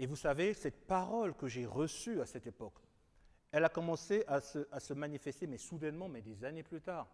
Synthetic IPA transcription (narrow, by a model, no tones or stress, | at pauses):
evusavesɛt̪̚paʁɔlkəʒeʁəsyasɛt̪epɔk | ɛlakɔmɑ̃seʔasəʔasəmanifɛst̪emɛsud̪ɛnmɑ̃mɛd̪ezaneplyt̪aːʁ